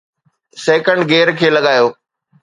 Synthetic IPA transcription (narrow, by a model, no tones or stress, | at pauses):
sɛːkəɳɖɡeːɾkʰeːlɐɠaːjoː